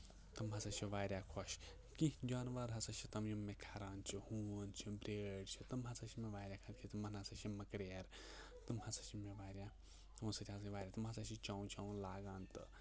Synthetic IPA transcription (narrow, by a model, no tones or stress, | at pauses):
t̪ɨmɦɐsɐt͡ʃʰiʋaːɾʲjaːkʰɔʃ | kid͡ʒaːnʋɐɾɦɐsɐt͡ʃʰit̪ɐmjumːekʰɐɾaːnt͡ʃʰihuːənt͡ʃʰibɾeːɖt͡ʃʰit̪ɨmɦɐsɐt͡ʃʰimeʋaːɾʲjaːkʰɐɾkʰit̪ɨmɐnɦɐsɐt͡ʃʰimɐkɽeeɾ | t̪ɨmhɐsɐt͡ʃʰimeʋaːɾja | t̪musɐt̪ʲiɦɐsʋaːɾʲjaːt̪ɨmɦɐsɐt͡ʃʰit͡ʃaːũt͡ʃaw̃nlaːɡaːnt̪ɨ